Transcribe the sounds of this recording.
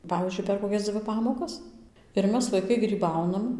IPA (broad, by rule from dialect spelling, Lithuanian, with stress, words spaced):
ˈpɑːʋʲiːzʲd͡ʒʲʊɪ pʲɛr koːˈkʲɛs ˈd͡zʲʋʲɪ ˈpɑːmoːkɐs ɪr ˈmʲɛs ʋɐɪˈkɐɪ ɡrʲiːˈbɐʊnɐm